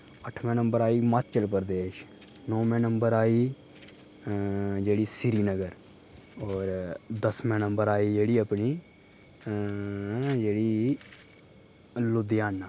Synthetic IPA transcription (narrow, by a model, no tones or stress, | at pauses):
əʈʰmẽːnəmbəɾaːiːmat̪t͡ʃəlpəɾd̪eːʃ | nɔ̃ːmẽːnəmbəɾaːiː | d͡ʒeːɽiːsɪɾiːnəɡəɾ | ɔːɾd̪əsmɛ̃ːnəmbəɾaːiːd͡ʒeːɽiːəpniː | d͡ʒeːɽiː | lʊd̪ɪjaːnːaː